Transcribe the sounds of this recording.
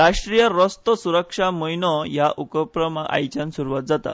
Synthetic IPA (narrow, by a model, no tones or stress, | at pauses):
ɾaʂʈɾijəɾɔst̪ɔsuɾəkʂaməjnɔjaʔukəpɾəmaɡa̰jt͡ɕansuɾuʋat̪̚d͡zat̪a̰